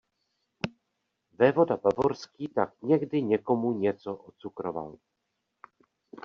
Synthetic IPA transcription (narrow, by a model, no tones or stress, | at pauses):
vɛvo̞dabavoɾskiːt̪akɲɛɡdɪɲɛko̞muɲɛt͡soʔot͡sukɾova̰l